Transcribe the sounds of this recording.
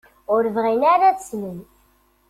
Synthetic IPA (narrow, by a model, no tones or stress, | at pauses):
ʊɾvʁinaɾæt͡ssnən